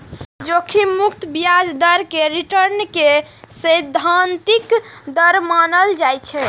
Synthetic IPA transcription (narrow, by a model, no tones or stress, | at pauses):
d͡ʒokʰimukt̪bijad͡ʒd̪əɾkeɾiʈəɾnkesəjd̪ʱːant̪ikd̪əɾmanəld͡ʒajt͡ʃʰɛ